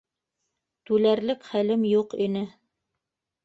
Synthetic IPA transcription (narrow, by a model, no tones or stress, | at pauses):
t̪ʉlæɾlɘkχælɘmjuqinɘ